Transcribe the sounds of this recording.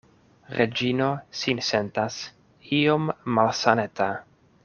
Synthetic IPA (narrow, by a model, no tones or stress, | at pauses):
ɾed͡ʒino̞sinse̞ntas | iomːalsaneta